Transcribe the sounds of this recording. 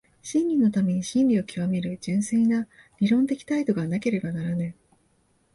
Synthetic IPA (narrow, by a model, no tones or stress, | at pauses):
ɕĩnɾʲino̞t̪ame̞ɲ̟iɕĩnɾʲio̞kʲiβame̞ɾɯ̟d͡ʑɨ̃ɰ̃seina | ɾʲiɾõ̞nt̪e̞kʲi̥t̪ait̪o̞ɡanake̞ɾe̞banaɾanai